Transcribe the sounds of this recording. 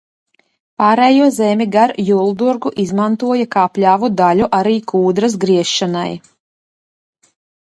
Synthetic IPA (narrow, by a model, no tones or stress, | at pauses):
paːɾɛːjuɔzɛmʲiɡaɾjulˠd̪uɾɡuʔizmant̪uɔjakaːplʲaːvud̪alʲuʔaɾiːkuːd̪ɾas̬ɡɾiɛʃːana̰j